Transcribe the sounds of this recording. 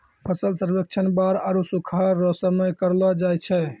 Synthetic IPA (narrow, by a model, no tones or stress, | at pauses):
pʰəsəlsəɾbek̚t͡ʃʰənbaɾaɾusukʰaɾɔsəməjkəɾlɔd͡ʒajt͡ʃʰɛ